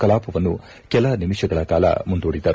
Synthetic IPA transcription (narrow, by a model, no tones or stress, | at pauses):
kɐlaːpɐʋɐnːu | kɛlɐnimiʃɐɡɐɭɐkaːlɐ̰mund̪uːɽid̪ɐɾu